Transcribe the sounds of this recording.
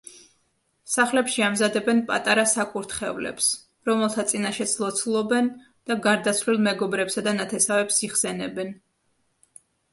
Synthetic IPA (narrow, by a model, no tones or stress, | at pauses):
saχlɛpʃiamzad̪ɛbɛnpʼa̰t̪ʼaɾasakʼuɾt̪ʰχɛvlɛ̰ps | ɾɔmɛlˠt̪ʰat̪sʼinaʃɛd̪sʰlˠɔt̪sʰlˠɔbɛn | d̪̥aɡaɾd̪at̪sʰvlilˠmɛɡɔbɾɛpsad̪anat̪ʰɛsavɛpsiχsɛnɛbɛn